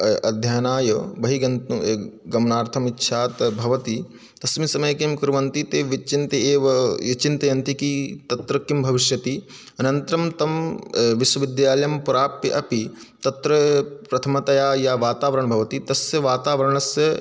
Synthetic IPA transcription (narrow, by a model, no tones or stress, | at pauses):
ɐd̪ʱjaːnaːjɐbɐɦiɡɐnt̪ːɡɐmnaːɾt̪ʰɐmitːʃʰaːt̪bʱɐʋɐt̪i | t̪ɐsmisɐmɐjɐkeːmkuɾʋɐnt̪it̪eːʋit͡ʃint̪ɐeːʋɐjɐt͡ʃint̪ɐjɐnt̪ikit̪ɐt̪ɾɐkːimbʱɐʋiʃjɐt̪i | ɐnɐnt̪ɾɐmt̪ɐmʋiʃwɐʋid̪jaːlɐjɐmpuɾaːpiʔɐpi | t̪ɐt̪ɾɐpɾɐt̪ʰɐmɐt̪ɐjaːjaːʋaːt̪aːʋɐɾɐɳɐbʱɐʋɐt̪it̪ɐsjɐʋaːt̪aːʋɐɾɐɳɐsjɐ